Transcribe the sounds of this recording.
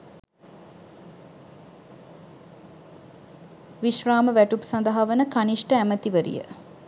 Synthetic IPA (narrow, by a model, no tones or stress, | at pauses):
ʋiʃraːməʋæʈupsand̪aɦaʋənəkaniʂʈəæmət̪iʋəɾḭjə̰